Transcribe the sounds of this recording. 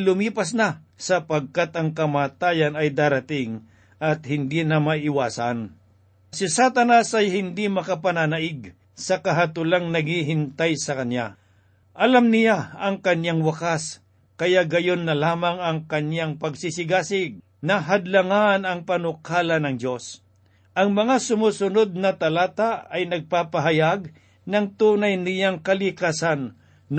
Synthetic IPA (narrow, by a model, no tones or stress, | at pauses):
lʊmiːpɐsnɐsɐpɐɡ̚kat̪ɐŋkɐmaːt̪aːjɐnɐjd̪aːɾɐt̪ɪŋ | ʔɐt̪hɪnd̪inɐmɐʔɪwaːsan | sɪsat̪ɐnɐsɐjhɪnd̪imɐkɐpɐnanɐʔɪɡ | sɐkɐɦat̪ulaŋnɐɡhiɦɪnt̪ajsɐkɐnja | ʔɐlamnɪjaɐŋkɐnjaŋwɐkas | kɐjaʔɡɐjonːɐlaːmɐŋɐŋkɐnjaŋpɐɡsisɪɡaːsɪɡ̚ | nɐɦɐd̪lɐŋanɐŋpɐnʊkʰaːlɐnɐŋd͡ʒo̞s | ʔɐŋmɐŋasʊmuːsʊnod̪̚nɐt̪ɐlaːt̪aɐjnɐɡ̚paːpɐɦɐjaɡ̚ | nɐŋt̪uːnajnɪjaŋkɐlɪkaːsɐnː